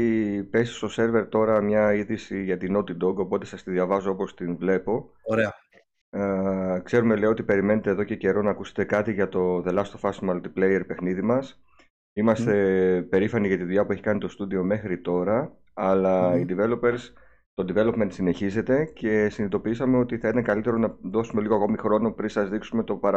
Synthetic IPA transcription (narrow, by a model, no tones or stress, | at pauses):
ipe̞si̥st̪o̞se̞ɾve̞ɾt̪o̞ɾɐmɲɐiðisiʝɐt̪inot̪id̪o̞ɡo̞po̞t̪e̞sɐst̪iðiɐvɐzo̞o̞po̞st̪invle̞po̞ | oɾeɐ | kse̞ɾume̞le̞oo̞t̪ipe̞ɾime̞ne̞t̪eðo̞ce̞ce̞ɾo̞nɐːkuse̥t̪e̞kɐt̪iʝɐt̪o̞ðe̞lɐst̪o̞fɐsmɐlt̪i̥plejeɾpe̞xniðimɐs | imɐst̪e̞pe̞ɾifɐniʝɐt̪iðuʎɐpue̞çi̥kɐnit̪o̞st̪uðio̞me̞xɾit̪o̞ɾɐː | lɐid̪ive̞lo̞pe̞ɾs | t̪o̞nd̪ive̞lo̞pmensine̞çize̞t̪e̞ce̞sinit̪o̞piisɐme̞o̞t̪iθɐit̪ɐŋkɐlit̪e̞ɾo̞nɐðo̞sume̞liɣoɐko̞mixɾo̞no̞pɾinsɐzðiksume̞t̪o̞pɐɾ